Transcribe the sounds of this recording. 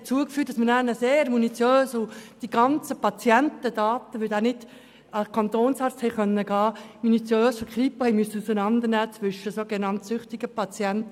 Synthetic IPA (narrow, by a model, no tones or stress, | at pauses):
t͡suəkfyːt̚d̥ɑsmənæːnəseːɾmunit͡sjøːsʊd̥iɡ̥ɑnt͡səpɑt͡sjɛntədɑːtəʋøldæːnɪd̥ | ɑkʰɑnt̪oːnsɑrt͡sthɛɪχœnːəɡɑːmunit͡sjøːsfəkʰχɾipohɛɪmyəsːəusənɑnd̪əɾnæːt͡sʋʏʃəsoːɡenɑntsʏχtiɡ̥əpʰɑt͡sjɛnt